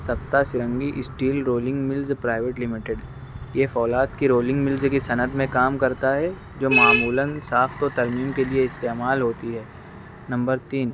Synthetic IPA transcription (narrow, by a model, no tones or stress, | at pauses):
sɐpt̪asɪɾə̃ŋɡiʔɪsʈiːlɾoːlɪ̃ŋɡmɪlzpɾaːɪʋeːʈlɪmɪʈɪɖ | jefɔːlaːt̪kiɾoːlɪ̃ŋɡmɪlzkisɐnəd̪ʱmẽkaːmkɐɾt̪aɦɛ | d͡ʒoːmaːmuːlənsaːft̪ot̪ɐɾmiːmkelieɪst̪eːmaːlɦoːt̪iɦɛː | nɐ̃mbəɾt̪iːn